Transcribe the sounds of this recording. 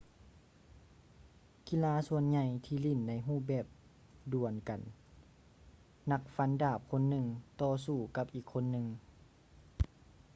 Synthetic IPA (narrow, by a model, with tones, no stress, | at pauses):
ki˧˥˨laː˧˥su˧ənɲa˧˩jt̪ʰiː˧li˧˩˨nːa˧˥jɦuː˧˩bɛː˧˩p̚ | du˨˩ənka˨˩n | na˧˥k̚fa˧˥ndaː˧˩p̚kʰo˧˥˨nːɯ˧ŋt̪ɔː˧suː˧˩ka˧˥p̚ʔiː˨˩kʰːo˧˥˨nːɯ˧ŋ